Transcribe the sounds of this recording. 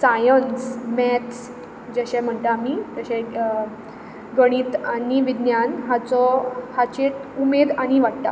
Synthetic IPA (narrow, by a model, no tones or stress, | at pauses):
sajənsmɛt̪ʰ | d͡ʑeɕɛ̃m̤əɳt̪amiːt̪əɕɛ̃ | ɡəɽ̃iːt̪aniʋid̪njanɦat͡sɔhat͡ɕeʈumed̪aɽ̃iʋaɽʈ̪a̰